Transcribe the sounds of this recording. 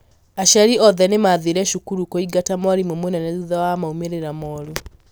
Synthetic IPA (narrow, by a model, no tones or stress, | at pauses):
aʃɛɾiʔɔðɛnemaðiɾɛʃukuɾukoiɡatamɔaɾimwɛmonɛnɛðuðawamaumeɾeɾamɔːɾu